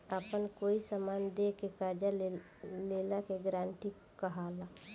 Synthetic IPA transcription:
əpənkoːisəmaːnd̪ekekad͡ʒa | leːlakeɡɾãːɳʈik | kəɦala

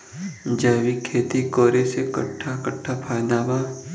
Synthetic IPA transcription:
d͡ʒaːwikʰeːt̪ikoːɾesekɐʈʰːakəʈʰːapʰaːjd̪aːba

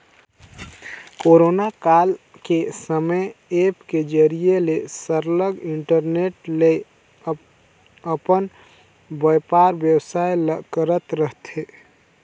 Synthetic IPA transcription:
koɾonakal | kesəməjepked͡ʒəɾijelesəɾləɡiɳʈəɾneʈle | əpən | bəjpaɾbjəwsajləkəɾət̪ɾəɦt̪ʰe

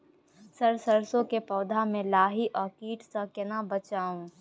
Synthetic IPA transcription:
sɐɾsɐɾsõkepɔːd̪ʱamẽlaːɦiʔɔːɾkiːʈsakɪnabɐt͡ʃaːũː

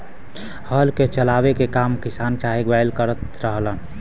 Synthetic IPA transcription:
həlket͡ʃəlabekekamkisant͡ʃaɦiɡbajlkəɾət̪ɾəɦlən

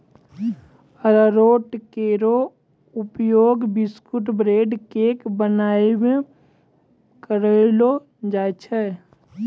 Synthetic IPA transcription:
əɾəɾoːʈkeːɾo | ʊpjoːɡbɪskuʈbɾeːɖkeːkbənaːimẽ | kəɾelo | d͡ʒaːt͡ʃʰɛ

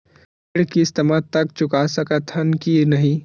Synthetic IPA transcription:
ɽkist̪əmat̪ɐk̚t͡ʃʊkasəkət̪ʰənkinəɦĩ

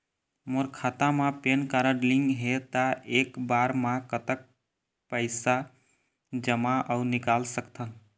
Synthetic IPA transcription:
moɾkʰat̪amãpenkaɾəɖliŋɡɦet̪aʔekbaɾmãkət̪ək̚ | pəɪsa | d͡ʒəmaʔəʊnikalsəkt̪ʰən

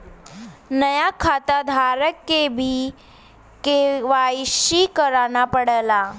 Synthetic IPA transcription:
nəjakʰat̪ad̪ʱaɾəkːebʱi | keʋajʃikəɾanapəɽəla

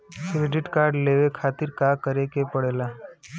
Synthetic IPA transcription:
kɾeɖɪʈkaːɾɖleːʋekʰaːt̪ɪɾkakəɾekepəɽeːla

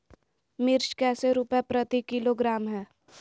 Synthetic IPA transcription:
mɪɾʃkɛːseɾupɛpɾɐt̪ikɪloɡɾaːmɦɛː

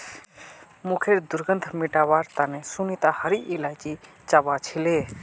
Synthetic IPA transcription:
mukʰeɾd̪uɾɡənd̪ʱmiʈaβaɾt̪anesunit̪ahəɾiːlajt͡ʃi | t͡ʃabat͡ʃʰile

